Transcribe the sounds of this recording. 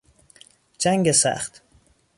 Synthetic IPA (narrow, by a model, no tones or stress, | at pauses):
d͡ʒæŋɡesæ̰χt̪